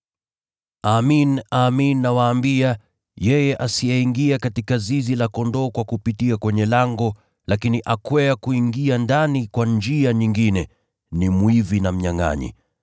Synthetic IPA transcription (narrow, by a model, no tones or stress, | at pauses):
aminaminːawaːmbia | jɛjɛʔasijɛiŋɡiakatikazizilakɔndɔːkwakupitiakwɛɲɛlaŋɡɔ | lakiniʔakwɛakuiŋɡiandanikwand͡ʒiaɲiŋɡinɛ | nimwivinam̩ɲaŋa̰ɲḭ